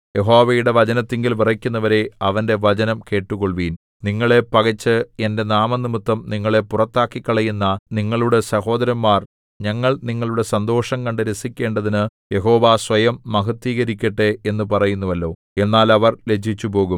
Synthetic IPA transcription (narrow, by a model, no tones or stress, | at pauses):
je̞ɦo̞ːʋɐjuɽe̞ʋɐd͡ʑɐnɐt̪ːeŋɡilʋirɐkʲːunːɐʋɐɾe̞ɐʋɐnde̞ʋɐt͡ɕɐnɐmke̞ːʈːuɣoɭʋiːn | niŋːɐɭe̞pɐɣɐt͡ɕːɨe̞nde̞naːmɐnimut̪ːɐmniŋːɐɭe̞purɐt̪ːaːkːikːɐɭɐjunːɐniŋːɐɭuɽe̞sɐɦo̞ːd̪ɐɾɐmːaːr | ɲɐŋːɐɭniŋːɐɭuɽe̞sɐnd̪o̞ːʂɐŋkɐɳɖɨɾe̞sikʲːe̞ːɳɖɐðinɨje̞ɦo̞ːʋaːsʋɐjɐmːɐɦɐt̪ːiːɣɐɾikʲːɐʈːeenːupɐrɐjunːuʋɐlːo̞ː | e̞nːaːlɐʋɐrle̞d͡ʑʱit͡ɕːupo̞ːɣum